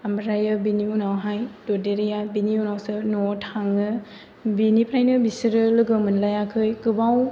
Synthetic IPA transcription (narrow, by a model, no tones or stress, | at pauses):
ambɾajɯbiniunawɦajdodeɾijabiniunawsɯnɔtʰaŋɯ | binipʰɾajnɯbisiɾɯlɯɡɯmɯnlajakʰɯjkɯbaw